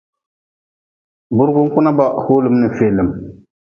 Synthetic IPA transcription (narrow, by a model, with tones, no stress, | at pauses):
bʊ˦ɾɡʊ˦ŋ̩˦kʊ˦na˦ba˨hoː˦lɨ˦mnɨ˨feː˨lɨ˨m